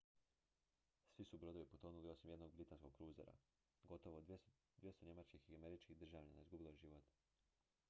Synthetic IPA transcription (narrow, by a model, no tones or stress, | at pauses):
sʋisubɾo̞d̪o̞ʋipot̪onuliosimje̞d̪no̞ɡ̚bɾit̪ansko̞ɡ̚kɾuːzeɾa̰ | ɡo̞t̪oʋo | d̪jest̪oɲe̞mat͡ʃkixiame̞ɾit͡ʃkid̪r̩ʒaːʋʎanaizɡubilˠojeʒiʋot̪